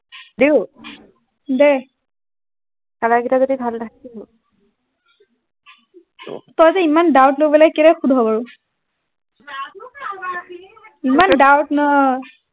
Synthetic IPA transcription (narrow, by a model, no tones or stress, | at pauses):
deʊ | dɛ | kalaɡitazodibʱaldakiɦo | tɔjzɛimandawtlojbɔlajkɛɾɛxudʱɔbaɹʊ | imandawtna